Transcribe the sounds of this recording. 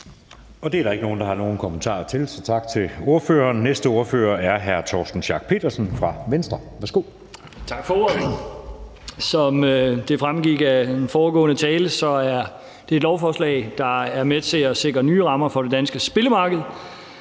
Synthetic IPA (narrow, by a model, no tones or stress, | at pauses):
ɒ̽d̥e̝æɐɾɑ̈eɡ̥əno̝ːn̩d̥ɑ̈hɑ̈no̝ːn̩kʰɒ̽mənt͡sʰɑ̰̈ːt͡sʰe̝lsɒ̽t͡sʰɑ̈ɡ̥̚t͡sʰe̝lo̝ɐfø̰ːɐnnesd̥əo̝ɐføːɐæɐɦæɐt͡sʰɒ̰ːsd̥n̩ɕɑ̈ːɡ̥̚pʰe̝̰ːd̥ɐsn̩fʁɑ̈ʋensd̥ʁɐʋæɐsɡ̥o̝̰ | t͡sʰɑ̈ɡ̥fɒ | sɒ̽md̥e̝fʁamɡ̥iɡ̥æenfɒːɡ̥ɔ̰ːnət͡sʰɛːləsɒ̽æɐ | d̥e̝ɐe̝dlɒʊfɒːslɛ̰ɪd̥ɑ̈æɐmet͡sʰe̝ɒse̝ɡ̥ʁɐnyːʁɑ̈mɐfɒ̽d̥e̝d̥ænsɡ̥əsb̥e̝ləmɑ̈ːɡ̥əð̞̩ˠ